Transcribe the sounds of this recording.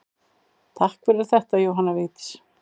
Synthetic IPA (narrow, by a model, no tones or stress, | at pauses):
t̪ʰahkfɛɾɪɾ̥θɛht̪ajoːwɦanːaveːt̪ɪ̥s